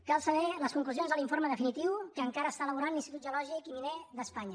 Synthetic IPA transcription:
kalˠsəβɛləskuŋkluzionzðəliɱfoɾməðəfinit̪iwkəːŋkaɾəːst̪aələβuɾanlinst̪it̪ut̪ʒulɔʒikimineðəspaɲə

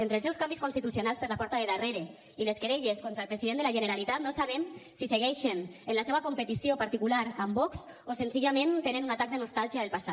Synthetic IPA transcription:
ent̪ɾelsɛwskambiskunst̪it̪usjonalspəɾlapɔɾt̪aðeðareɾe | ileskeɾeʎeskont̪ɾaelˠpɾeziðend̪elaʒeneɾalit̪at̪̚nosaβ̞ɛmsiseɣɛʃenenlaseβakumpet̪isiopaɾt̪ikulaɾambɔks | osenziʎamẽnt̪enenunat̪ak̚d̪enost̪alˠʒiaelˠpasat̪

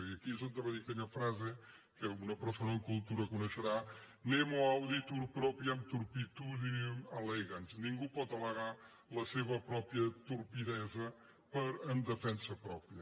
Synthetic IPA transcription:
iɐkizõnd̪ɐβɐðikt̪ɛɲɐfɾaze | kɛunɐpɾsonɐ̃kulˠt̪uɾɐkunɐʃɨɾa | nemɔawðit̪uɾpɾɔpɾjɐ̃mt̪uɾpit̪uðiumɐlˠeɣɐnsnĩŋɡupɔðɐlˠɐɣaɾ | lˠɐseβɐpɾɔpɾjɐt̪uɾpiðɛzɐ | pɐɾɐ̃md̪ɨfẽnsɐpɾɔpɾjɐ

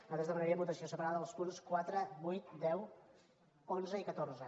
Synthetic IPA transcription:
əðəzðəβənəɾiəbut̪əsiosəpəɾaðəəlˠspunskwat̪ɾəβujt̪̚d̪ɛw | onzəikət̪orzə

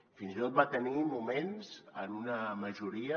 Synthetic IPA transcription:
finzit̪ot̪̚bat̪ənimumenzə̰nunəməʒuɾiə

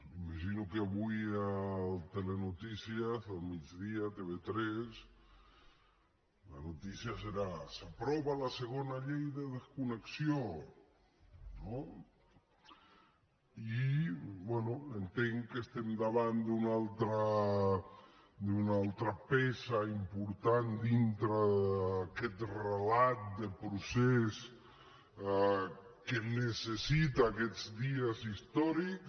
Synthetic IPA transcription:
imaʒinokeaβujalt̪elenut̪isjazalmid͡ʒðiat̪eβet̪ɾes | lanot̪isjaseɾasapɾɔβalaseɣ̞onaʎejðeðeskuneksjo | no | ibwɛnuent̪eŋkest̪emd̪aβand̪unalˠt̪ɾa | d̪unalˠt̪ɾapɛsaimpuɾt̪and̪int̪ɾaakɛt̪relat̪̚d̪epɾuses | kenesesit̪aːkɛd͡zd̪iazist̪ɔɾiks

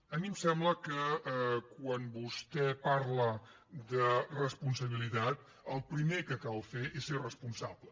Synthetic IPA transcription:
əmimsɛmbləkəkwanbust̪ɛpaɾlə | d̪ərəspunsəβ̞ilit̪at̪̚ | əlˠpɾimekəkalˠfeʔeserəspunsablə

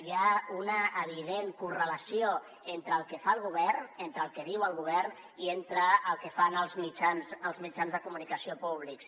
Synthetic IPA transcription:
jaunəːβ̞iðeŋkurələsio | ent̪ɾəːlˠkəfaəlˠɣuβɛrnent̪ɾəlˠkəðiwəlˠɣ̞uβɛrn | ient̪ɾəːlˠkəfanəlˠzmid͡ʒanzəlˠzmid͡ʒanzðəkumunikəsiopuβ̞liks

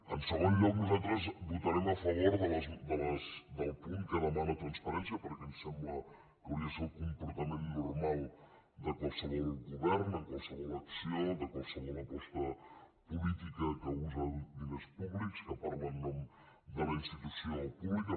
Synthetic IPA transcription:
ənsəɣonʎɔknuzalt̪ɾəzβut̪əɾɛməfəβ̞oɾðələzd̪ələsd̪əlˠpuŋkəðəmanət̪ɾənspəɾɛnsjəpəɾkɛmsɛmblə | kəwɾiəsɛkumpuɾt̪əmenːurmalˠ | d̪əkɔsəɣeɣuβɛɾnəŋkɔwsəɣoləksioðəkɔwsəɣenəpɔst̪ə | pulit̪ikəkəuzəlˠd̪inəspuβlikskəpaɾlənnɔm | d̪ələinst̪it̪usioəlˠpuβlikə

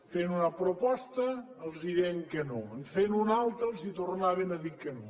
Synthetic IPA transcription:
fenunɐpɾopɔst̪ɐː | lˠzðiɾeŋkənoəɱfenunalˠt̪ɾəlˠzit̪ornaβenɐðikəno

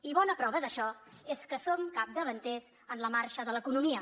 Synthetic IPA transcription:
iβɔnəpɾɔβəðəʃɔeskəsomkap̚d̪əβənt̪ez | ənləmaɾʃəðələkunumiə

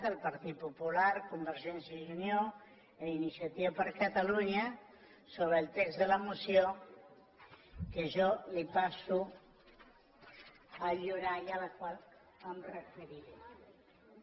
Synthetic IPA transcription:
t̪əlpaɾt̪it̪̚pupulaɾkumbəɾʒɛnsjaʒunjo | einisjat̪iβapəɾkat̪aluɲa | soβɾeːlˠt̪ɛkzðəlamusjo | keʒɔlipasu | aʎuɾajalakwal | amrefeɾiɾu

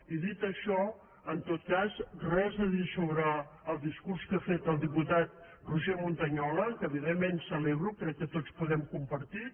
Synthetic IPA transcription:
iðit̪əʃɔ | ənt̪ot̪̚kazrɛzðəðisoβɾəːlˠd̪iskuɾskafet̪əlˠd̪iput̪at̪̚ | ruʒemunt̪əɲɔləkəːβiðemːensəleβɾukɾɛkːət̪ot͡spuðɛmkumpəɾt̪i

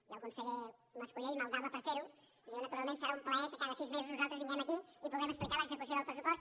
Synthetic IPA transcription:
awkõnseʎemɐskuʎejmalˠd̪aβɐpɐɾɐfeɾu | ewnɐt̪uɾalˠmẽnsɛɾɐũmplɛɣɐkɪkaðɐsizmezɪznuzalˠt̪ɾzβiɲɛ̃m̃ɐkiipuðemesplikaɾɐkzekus̬õalpɾes̬upɔst̪

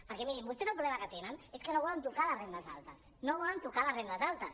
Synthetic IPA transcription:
pəɾkɛmiɾimbust̪ezəlˠp̬ɾuβlɛməkət̪enəneskənoβɔlənt̪ukaləzrend̪əza̰lˠt̪əs | noβɔlənt̪ukaləsrend̪əzalˠt̪əs

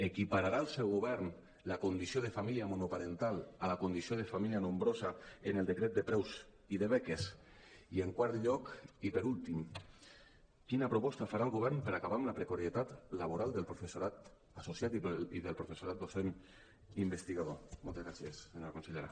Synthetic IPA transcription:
ekipaɾaɾaəlˠsɛwɣoβɛɾn | lakund̪isioð̞əfamiliamonupaɾent̪alˠalakund̪isioðefamilianombɾozaenelˠd̪ekɾɛt̪̚d̪əpɾɛwz | iðeβɛkes | ieŋkwaɾt̪ʎɔkipəɾulˠt̪im | kinapɾopɔst̪afaɾalˠɣoβɛɾnpəɾakaβamlapɾekoɾiet̪at̪laβoɾalˠd̪əlˠpɾofesuɾat̪ | asosjat̪iiðəlpɾofesuɾat̪̚d̪osen | imbest̪iɣaðomɔlˠt̪ezɣɾasjesseɲoakonseʎeɾa̰

